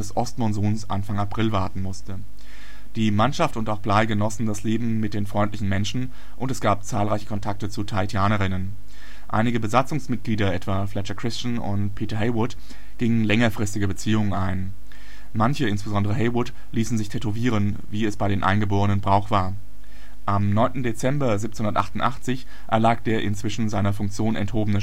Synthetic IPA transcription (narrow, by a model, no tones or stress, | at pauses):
ɛsʔɔstmɔnzoːnsʔa̰nfaŋapʁ̥ɪlvaɐtn̩mʊstə | d̥iːmanʃaftʊntaʊxb̥laɪɡənɔsn̩dasleːbm̩mɪt̚d̥eːnfʁ̥ɔʏntlɪçn̩mɛnʃn̩ | ʔʊntɛsɡ̥aːp̚t͡saːlʁaɪçə̥kʰɔntʰak̚tət͡sutʰaɪtʰjaːnɐʁɪnən | ʔa̰ɪnɪɡəbəzat͡sʊŋsmɪt̚ɡ̥liːdɐʔɛtv̥aːflɛt͡ʃɐkʁ̥ɪst͡ʃnʊ̰ntpʰiːtɐɦɛɪwʊt | ɡ̥ɪŋənlɛŋɐfʁ̥ɪstɪɡəbət͡siːʊŋənaɪn | mançəɪnsb̥əzɔndəʁ̞əɦɛɪwʊt | liːsn̩zɪçtʰɛtoviːʁən | viːɛsb̥aɪɾeːmnʔa̰ɪnɡəboːʁənənbʁaʊxv̥aːɐ | ʔamnɔʏntn̩det͡sɛmbɐzip̚t͡snhʊndɐtʔaχtʊntʔa̰χt͡sɪç | ʔɛ̰ɐlaːk̚d̥eːɐʔɪ̰nt͡sv̥ɪʃn̩zaɪnɐfʊŋk̚t͡sjoːnɛ̰nthoːbənə